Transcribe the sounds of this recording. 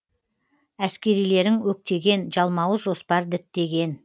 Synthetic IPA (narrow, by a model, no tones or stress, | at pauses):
æskʲe̞ɾijle̞ɾɪŋwɵk̚t̪e̞ɡʲe̞nʒɑlˠmɑwəʒo̞spɑɾd̪ɪt̪ːe̞ɡʲe̞n